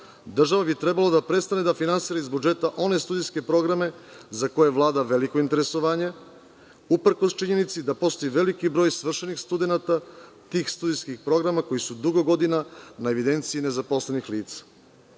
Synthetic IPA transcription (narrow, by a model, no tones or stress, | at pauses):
d̪r̩ʒaʋabit̪ɾebalod̪apɾet̪st̪ane̞d̪afinansiːɾaizbud͡ʒe̞t̪aʔo̞ne̞st̪ud̪ijske̞pɾo̞ɡɾame̞zako̞jeʋlˠaːd̪aʋe̞liko̞int̪e̞ɾe̞so̞ʋaːɲe | upr̩ko̞st͡ʃiɲe̞nit̪sid̪apo̞st̪ojiʋe̞likibɾo̞ːjsʋr̩ʃenixst̪ud̪e̞nat̪a | t̪iːxst̪ud̪iskixpɾo̞ɡɾamako̞jisud̪uɡo̞ɡo̞d̪inanaeʋid̪e̞nt̪siine̞zapo̞slenixliːt̪sḁ